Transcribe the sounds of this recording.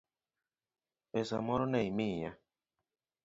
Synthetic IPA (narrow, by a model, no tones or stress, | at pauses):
pesamɔɾnejmiɲa̰